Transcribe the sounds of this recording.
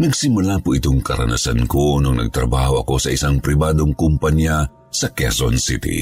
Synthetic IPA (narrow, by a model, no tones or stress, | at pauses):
nɐɡsɪmʊlapʊʔɪt̪oŋkɐɾɐ̰na̰sankonoŋnɐ̰ɡ̚t̪ɾɐ̰baːhoʔɐ̰ko̞sɐʔɪsaŋpɾɪbaːd̪oŋkʊmpɐɲja | sɐkɛso̰nsit̪ḭ